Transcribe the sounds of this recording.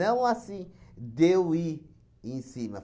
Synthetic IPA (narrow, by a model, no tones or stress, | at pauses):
ɐ̃w̃asĩd̪ewi | ẽj̃sĩmɐ